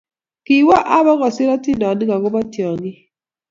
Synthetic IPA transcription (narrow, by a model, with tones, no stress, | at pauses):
ki˨˦wɔ˦ʔa˦bɔ˦ɣɔ˨sɪ˦ɾɔ˦ti˦nɔ˨ni˦ɡa˨ɡʊ˦bɔ˦tjɔ˨ɡi˦